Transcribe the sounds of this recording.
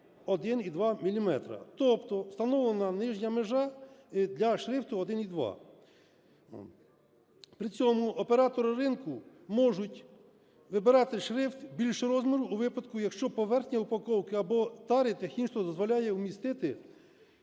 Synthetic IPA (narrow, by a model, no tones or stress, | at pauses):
ɔd̪ɪnid̪ʋɑmʲilʲimɛt̪ɾɐ̰t̪ɔpt̪ɔwst̪ɐnɔʋlˠenɐnɪʒɲʲɐmeʒɑd̪lʲɐʃɾɪft̪ʊɔd̪ɪnid̪ʋɑ̰ | pɾɪt͡sʲɔmʊʔɔpeɾɑt̪ɔɾɪɾɪnkʊ | mɔʒʊtʲ | ʋɪbɪɾɑt̪ɪʃɾɪft̪bʲilʲʃɛɾɔzmʲiɾʊːʋɪpɐd̪kʊjɐkʃt͡ʃɔpɔʋɛrxnʲɐupɐkɔwkɪɐbɔt̪ɑɾɪt̪ɐxʲinʃt̪ɔd̪ɔzʋɔlʲajɛumʲist̪ɪt̪ɪ